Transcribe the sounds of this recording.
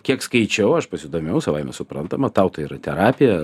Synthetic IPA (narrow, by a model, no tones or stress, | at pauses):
kʲiɛkskɐɪt͡ʃʲɛʊɐʃpɐsʲɪd̪oːmʲɛʊsɐʋɐɪmʲɛ̰sʊpɾɐnt̪ɐmɐt̪ɑʊt̪ɐiːɾɐt̪ʲɛɾɑːpʲɪjɛ